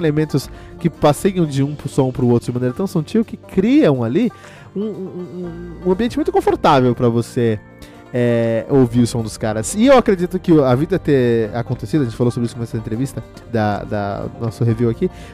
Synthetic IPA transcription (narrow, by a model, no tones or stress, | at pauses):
elemẽnt̪ʊs | kɪpasejɐ̃w̃d͡ʒɪũpʊsõpɾʊowt̪ɾʊd͡ʒɪmɐ̃neɾɐt̪ɐ̃w̃sɐ̃t͡ʃiʊkɪkɾiɐ̃w̃ali | ũũũɐ̃mbiẽnt͡ʃɪmũjt̪ʊkõfoɾt̪avewpɾɐvose | ɛowviʊsõd̪ʊskaɾɐsɪewakɾed͡ʒit̪ʊkɪʊɐvid̪ɐt̪eakõnt̪esid̪ʊɐʒẽt͡ʃɪfalosobɾisʊkõɛsɐẽnt̪ɾevist̪ɐ | d̪ɐd̪ɐ̰nɔsʊɦeviwaki